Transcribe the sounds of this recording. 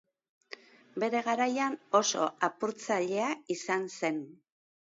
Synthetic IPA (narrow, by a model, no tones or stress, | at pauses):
be̞ɾe̞ɣaɾajano̞so̞apuɾt͡saʎe̞aisanse̞n